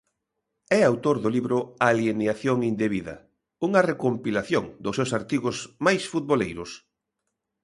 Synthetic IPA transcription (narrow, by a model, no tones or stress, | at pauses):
ɛawt̪oɾðʊliβɾʊaljeneaθjoŋind̪eβiðɐ̰ | uŋɐrekompilaθjoŋd̪ʊsːewsaɾt̪iɣʊsmajsfut̪̚βolejɾʊs